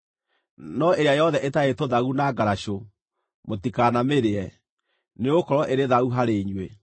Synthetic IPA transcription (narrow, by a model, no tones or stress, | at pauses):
nɔeɾeajɔðɛʔetaetoðaɣunaɡaɾaɕo | motikanameɾeɛ | neokɔɾɔʔeɾeðaɣuɦaɾeɲwe